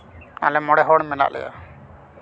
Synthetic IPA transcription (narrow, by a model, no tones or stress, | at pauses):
a̰lɛmɔɽɛɦɔɽmɛna̰ʔlʔɛ̰ɡa̰